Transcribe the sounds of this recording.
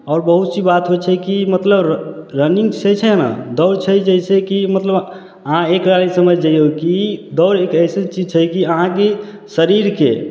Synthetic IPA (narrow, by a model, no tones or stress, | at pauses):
ɔːɾbəɦut̪t͡ʃʰibat̪ɦojt͡ʃʰɛkimət̪ləbɾəniŋɡsɛt͡ʃʰɛɦna̰d̪ɔʊɾt͡ʃʰəd͡ʒɛɪsekimət̪ləb | əɦãekɾanisəməd͡ʒd͡ʒɛjokid̪ɔʊɾekəɪset͡ʃid͡ʒt͡ʃʰɛkiəɦãke | səɾiɾkḛ